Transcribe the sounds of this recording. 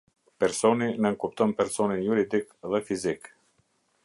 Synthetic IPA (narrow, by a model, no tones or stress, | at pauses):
pɛɾsɔninənkupt̪ɔnpɛɾsɔninjuɾid̪ikðɛfizik